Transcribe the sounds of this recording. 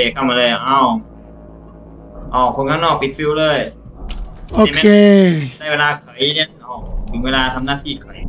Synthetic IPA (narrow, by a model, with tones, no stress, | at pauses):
eː˧˩kʰa˧˩maː˧lɤː˧˩jʔa˧˩w | ʔɔː˧˩kʰo˧˦nkʰa˧˥˩ŋnɔː˥˩k̚pi˨˩t̪̚fi˧wlɤː˧˥˩j | ʔoː˧˨mka˧˨eː˧a˥˧˩jweː˧laː˧kʰɤ˨˩˦je˧˩nʔɔ˧˩te˧˦nweː˧laː˧t̪ʰa˧mnaː˧˩t̪ʰiː˧˩kʰɯ˩˦j